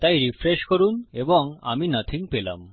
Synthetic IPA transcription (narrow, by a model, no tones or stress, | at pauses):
t̪ajɾifɾeʃkoɾuneboŋa̰minat̪ʰiŋpela̰m